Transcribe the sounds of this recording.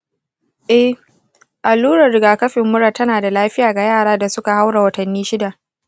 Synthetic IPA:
ʔɛ˦h | ʔa˨lːuː˦ɾɐ˨rɾɪ˨ɡaː˨kɐ˦ɸɪ˨mːʊ˦ɾa˨tɐ˦naː˨da˨laː˦ɸɪ˦jaː˨ɡa˨jaː˦˨ɽaː˦da˨sʊ˦ka˨ha˦wɽa˨wɐ˦tɐ˨nːiː˦ʃɪ˦da˨ʔ

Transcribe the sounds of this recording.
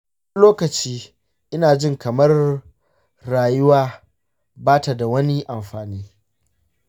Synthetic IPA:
loː˦kɐ˨t͡ʃiː˦ | ʔɪ˦naː˨d͡ʒɪ˦˨ŋkɐ˨mɐ˦rː | aː˨jʊ˦waː˦ | baː˦ta˨da˨wɐ˦ni˦ʔa˨mɸaː˨niː˦

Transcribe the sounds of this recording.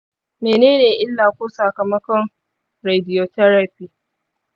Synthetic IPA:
meː˨neː˦neː˨ʔɪ˦lːaː˨kʷoː˦sɐ˨kɐ˨mɐ˦kɔ˨ŋ | ɾe˨dɪ˨jo˨tɐ˦ɾa˨piː˦

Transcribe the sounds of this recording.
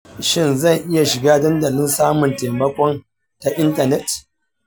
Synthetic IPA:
ʃɪ˦nzɐ˦˨ŋʔɪ˦ja˨ʃɪ˨ɡaː˦dɐ˦ndɐ˨lɪ˦nsaː˦mʊ˨nteː˨mɐ˦kʷɔ˦n | ta˨ʔɪ˦ntɐ˨nɛ˦t

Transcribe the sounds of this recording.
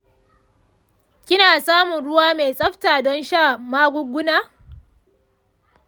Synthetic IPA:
kʲɪ˦naː˨saː˦mʊ˨nɽʊ˦waː˦meː˨sʼɐ˦ɸtaː˨dɔ˦nʃaː˦˨maː˦ɡʷʊ˦ɡʷʊ˦naː˦˨

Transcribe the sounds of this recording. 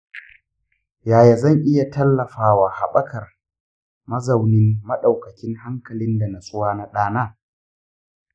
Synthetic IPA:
jaː˨ja˨zɐ˦˨ŋʔɪ˦ja˨tɐ˦lːɐ˨ɸaː˨waː˨ha˨ɓɐ˦kʰɐ˨r | mɐ˦zɐ˨wnɪ˦mːɐ˦ɗa˨wkɐ˨kʲɪ˦ŋɦa˦ŋkɐ˨lɪ˦nda˨na˨sʊ˦waː˦na˦ɗaː˦naː˦

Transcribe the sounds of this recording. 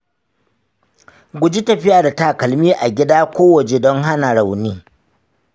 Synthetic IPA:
ɡʷʊ˦d͡ʒi˦tɐ˨ɸɪ˦jaː˨da˨taː˦˨kɐ˨lmiː˦ʔa˨ɡʲɪ˦daː˦kʷoː˦wɐ˨t͡ʃe˨dɔ˦ŋɦa˦na˨ɽa˨wniː˦

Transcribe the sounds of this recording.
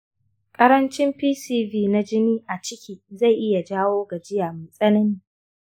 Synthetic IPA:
kʼɐ˦ɾɐ˦nt͡ʃɪ˦mɸiː˦siː˦viː˦na˦d͡ʒɪ˦niː˦ʔa˨t͡ʃɪ˦kʲʰiː˦za˦˨jʔɪ˦ja˨d͡ʒaː˦woː˦ɡa˨d͡ʒɪ˦jaː˨mɐ˨sʼɐ˦nɐ˦niː˦

